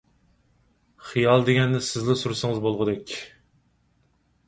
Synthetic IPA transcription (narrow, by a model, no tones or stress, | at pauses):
χijɑlˠd̪eɡʲɛnd̪ɪsɪzlɨsuɾsɨŋɨzbolˠʁəʊd̪ɛkʲ